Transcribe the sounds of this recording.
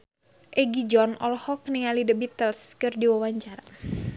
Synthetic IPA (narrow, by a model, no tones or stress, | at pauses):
ʔɛɡid͡ʒɔnɔ̰lɔhɔknialidəbit̪əlskɨrdiwawaɲt͡ʃaɾa